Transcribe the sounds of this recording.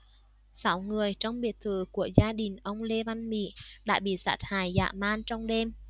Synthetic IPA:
sa˨˦wŋɨ˨˩əjt͡ɕɔ˧wŋ͡mɓi˨˩ət̚t̪ʰɨ˧˩ku˧˩əzaː˧ɗï˨˩ŋ̟ʔə˧wŋ͡mle˧va˧nmḭ˧˥ɗa̰ː˧˥ɓḭ˧˨sa̰ː˧˦˥t̚haː˨˩jza̰ː˧˨maː˧nt͡ɕɔ˧wŋ͡mɗe˧m

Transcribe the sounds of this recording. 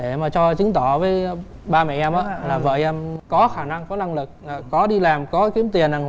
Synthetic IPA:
ɗe˧˩maː˨˩t͡ɕɔ˧t͡ɕɨ˨˦ŋt̪ɔ˧˩˨vəː˨˦j | ɓaː˧mɛ̰˧˨ʔɛ˧mʔəː˨˦laː˨˩və̰˧˨jʔɛ˧mkɔ˨˦xaː˧˩na˧ŋkɔ˨˦na˧ŋlɨ˨˩k̚ːkɔ˨˦ɗi˧laː˨˩mkɔ˨˦ki˨˦əmt̪i˨˩ənʔaː˧˩ŋ˧

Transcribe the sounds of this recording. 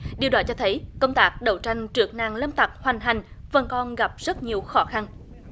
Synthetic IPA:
ɗi˨˩əwɗaː˨˦t͡ɕɔ˧t̪ʰə˨˦jkə˧wŋ͡mt̪aː˦˥k̚ɗə˨˧˩wt͡ɕa˧jŋ̟t͡ɕɨ˨˩ək̚naː˨˩ŋləː˧mt̪a˨˩k̚hwa˨˩ŋ̟ɦa˨˩jŋ̟və˨˩nkɔ˧nɣa˨˩p̚z̥ə˦˥t̚ɲi˨˩əwxɔ˨˦xa˧n

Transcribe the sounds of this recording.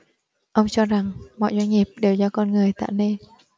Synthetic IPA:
ʔə˧wŋ͡mt͡ɕɔ˧za˨˩ŋmɔ̰˧˨jzwa˧ŋ̟ŋi˨˩əp̚ɗe˨˩wzɔ˧kɔ˧nŋɨ˨˩əjt̪a̰ː˧˨ne˧n

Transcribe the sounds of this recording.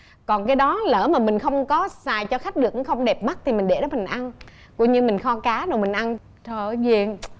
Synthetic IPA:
kɔ˨˩nkaː˨˦jɗɔ˨˦ləː˧˩maː˨˩mï˨˩ŋ̟xə˧wŋ͡mkɔ˨˦saː˨˩jt͡ɕɔ˧xa˦˥jk̟̚ɗɨ˨˩ək̚ːɨ˧˦xə˧wŋ͡mɗɛ˨˩p̚ma˦˥t̚t̪ʰi˨˩mï˨˩ŋ̟ɗe˧˩ɗɔ˨˦mi˨˩ŋ̟ʔa˧n | kṵ˧˥ɲɨ˧mï˨˩ŋ̟xɔ˧kaː˨˦ɗo˨˩mï˨˩ŋ̟ʔa˧n | t̪ʰəː˧˨˩vi˧˨˩ən

